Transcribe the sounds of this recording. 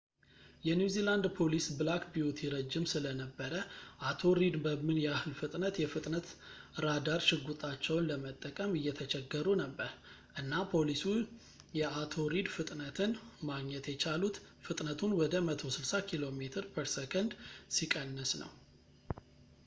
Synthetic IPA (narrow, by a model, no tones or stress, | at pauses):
jɛnjuziland̪pʰo̞lisbɨlakbijot̪ʰiɾəd͡ʒːɪmsɨlənəbːəɾəʔat̪ʰo̞ɾid̪bəmɨnjɛahɨlfɨt̪ʼnət̪jɛfɨt̪ʼnət̪ɾad̪aɾʃɪɡut̪ʼat͡ʃːɛwnləmət̪ʼːəkʼəmɨjːɛt̪ʰət͡ʃɛɡːəɾunəbːəɾ | ʔɨnːapʰo̞lisu | jɛʔat̪ʰo̞ɾid̪fɨt̪ʼnət̪ʰɨnmaɡɲɛt̪jɛt͡ʃʰalut̪fɨt̪ʼnət̪ʰunwɔd̪əmət̪ʰo̞sɨlsakʰilo̞met̪ʰɨɾpʰəɾsekʰənd̪sikʼənːəsnə̰w